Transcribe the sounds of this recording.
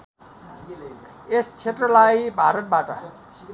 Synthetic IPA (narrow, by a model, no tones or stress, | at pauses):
est͡sʰetrʌlajbʱaɾʌt̪̚baʈʌ